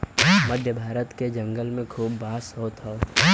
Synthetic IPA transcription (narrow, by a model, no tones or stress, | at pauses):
məd̪ʱjəbʱaːɾət̪ked͡ʒɐ̃ŋɡəlmẽkʰuːbːaːsɦoːt̪o